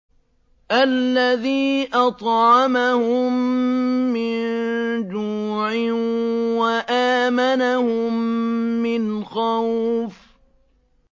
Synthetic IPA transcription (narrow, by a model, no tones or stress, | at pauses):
ʔalːaðiːʔɑt̪ˤʕɑmahʊmː | ɪnnd͡ʒuːʕɪwaʔaːmanahʊmː | ɪnxawf